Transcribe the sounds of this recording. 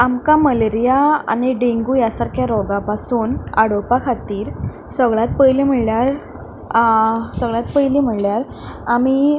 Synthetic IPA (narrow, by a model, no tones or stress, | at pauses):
amkaməleɾijaa̰niɖeŋɡujasaɾkʰjaɾɔɡapasuːna̰ɽopakʰat̪iːɾ | səɡɭat̪̚pəjlim̤əɭljaɾ | səɡɭat̪̚pəjlim̤əɭljaɾ | ami